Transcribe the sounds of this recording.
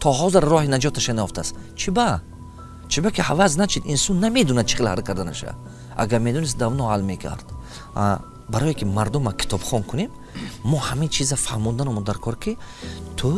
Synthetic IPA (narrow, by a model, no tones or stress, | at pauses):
t̪ʰɔɦɔzeɾːɔhinad͡ʒɔt̪ʰaʃanajɔft̪ʰast͡ʃʰiba | t͡ʃʰibakʰihavaz̬nat͡ʃʰid̪insunːame̞d̪unad̪̚t͡ʃʰi̥χelhaɾkʰaɾd̪ana̰ʃa̰ | ʔa̰ɡaɾmed̪ɔnis̬̚d̪avnɔʕalmekʰa̰ɾd̪̥ | a | baɾɔjikʰimaɾd̪umakʰi̥t̪ʰɔbχɔnkʰunemː | ɔhamint͡ʃʰizafaɾmund̪anɔmɔd̪aɾkʰɔɾkʰit̪ʰu